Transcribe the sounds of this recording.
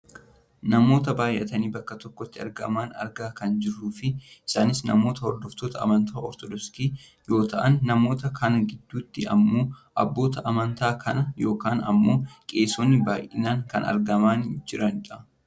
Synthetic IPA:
nɐmo̞ːt̪ɐbaːjʔɛt̪ɐniːbɐkːɐt̪ɔkːɔt̪ːɪɐ̰ɾɡɐ̰maːnɐ̰ɾɡaːkɐnd͡ʒɪrːuːfɪɪsaːnɪsnɐmo̞ːt̪ɐhɔɾd̪ɔft̪oːt̪ɐɐ̰mɐnt̪aːɔɾt̪ɔd̪ɔst̪iːjo̞ːt̪ɐʔɐnːɐmo̞ːt̪ɐkʰɐnɐɡɪd̪ːuːt̪ːɪɐ̰mːo̞ːʔɐ̰bːo̞ːt̪ɐʔɐmɐnt̪aːkʰɐnɐjo̞ːkaːnɐ̰mːo̞ːkʼe̞ːsoːnːɪbaːjʔɪnaːŋkɐ̰nɐ̰ɾɡɐmaːnd͡ʒɪɾɐnᶑɐ

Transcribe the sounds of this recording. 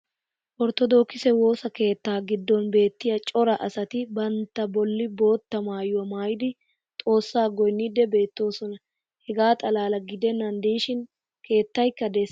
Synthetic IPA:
ʔɔɾt̪ɔd̪oːkːɪsɛwo̞ːsɐke̞ːt̪ːaːɡɪd̪ːɔnbe̞ːt̪ːɪjɐt͡ʃʼɔɾɐʔɐsɐt̪ɪbɐnt̪ːɐbɔlːɪbo̞ːt̪ːɐmaːjʊwɐmaːjɪd̪ɪ | t̪ʼo̞ːsːaːɡɔjnːid̪ɛbe̞ːt̪ːo̞ːsɔnɐ | hɛɡaːt̪ʼɐlaːlɐɡɪd̪ɛnːɐnd̪iʃɪn | ke̞ːt̪ːɐjkːɐd̪es

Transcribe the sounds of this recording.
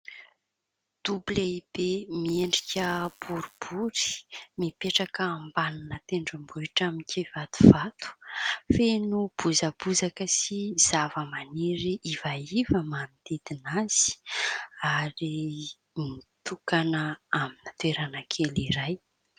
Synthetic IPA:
d̪̥ublaib̥emieɳɖ͡ʐikʲəb̥uɾub̥uɾi̥mipeʈ͡ʂakəːmbananət̪eɳɖ͡ʐambuiʈ͡ʂamikʲivat̪u̥v̥at̪u̥fenub̥uzabuzakəsiz̥avəmaneɾiʔivaivəmanid̪ed̪inaz̥i̥ | aɾi | mit̪ukanəaminat̪weɾanakʰeliɾaj

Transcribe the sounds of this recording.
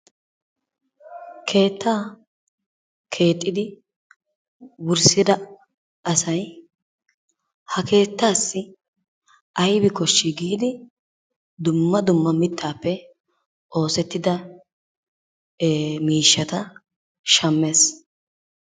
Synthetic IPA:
kʰe̞ːt̪ːaː | kʰe̞ːt̪ʼːɪd̪ɪ | wʊɾsɪd̪ɐ | ɐsɐj | hɐke̞ːt̪ːaːsːɪ | ʔɐjbɪkɔʃːɪɡiːd̪ɪ | d̪ʊmːɐd̪ʊmːɐmɪt̪ːaːpːɛ | ʔo̞ːsɛt̪ːɪd̪ɐ | miːʃːɐt̪ɐ | ʃɐmːeːs

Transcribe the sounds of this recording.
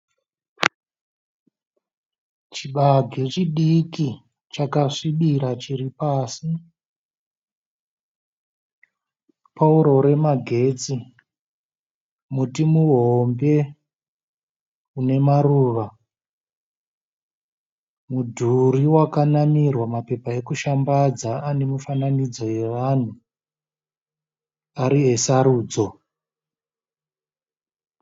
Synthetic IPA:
t͡ʃiɓaɡʱit͡ʃiɗiki | t͡ʃakaʂiɓiɾat͡ʃiɾipaːsi | pauɾo̞ɾe̞maɡʱe̞t͡si | mutimuɦombe̞ | une̞maruːʋa | mudʱuriwakanamirwamape̞pae̞kuʃambad͡zaane̞mufananid͡zo̞je̞ʋaːn̤u | aɾie̞saɾuːd͡zo̞

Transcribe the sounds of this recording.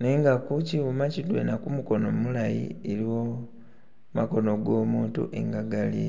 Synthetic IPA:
neŋɡakuciwumacidwḛnakumuko̞nommulajḭeɾiwo | mako̞no̞ɡo̞ːmuːntṵʔḛŋɡaɡalḭ

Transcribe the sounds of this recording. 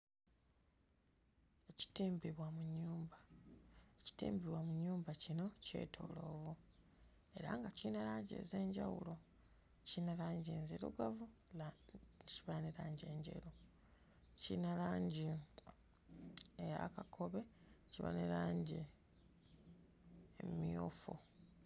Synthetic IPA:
eci̥tiːmbiβwamuɲːuːmba | eci̥tḭːmbiβwamuɲːuːmbacino̞ce̞̰ːtʰo̰ːlo̞ːβo | e̞ɾa̰ŋɡaciːnalaːɲɟiḛze̞ːɲɟawṵlo̞ | cinalaːɲɟieːnzeɾṵɡavulciβaneɾaːɲɟe̞ːɲɟe̞̰ɾu | cḭnalaːɲɟi | eja̰kakʰoβe̞ | ciβa̰neɾaːɲɟi | emijo̰ːfo̰

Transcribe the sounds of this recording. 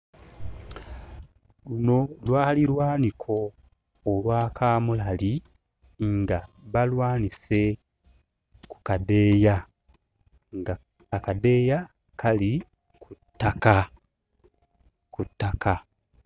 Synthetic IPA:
luno̞lwaːliɾwaːnikʰo̞ː | lwaːkʰaːmulali | ŋɡaβalwaːnise̞ | ku̥kade̞ːja | ŋɡa | akade̞ːja | kʰali | kʰutːaka | kutːakʰa

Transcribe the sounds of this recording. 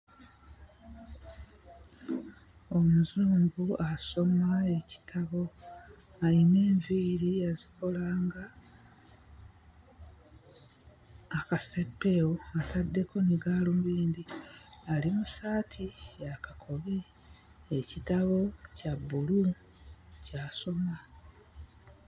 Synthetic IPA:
o̞muzuːmbuaso̞mae̞ci̥tʰaβo̞ | aɾine̞ːɱviːɾiaziko̞laːŋɡa | kase̞pːe̞woatadːe̞ko̞niɡaːlomuβiːnd̪ialimusaːtʰijakakʰo̞βi | ecitaβo̞cabːulu | caːso̞ma

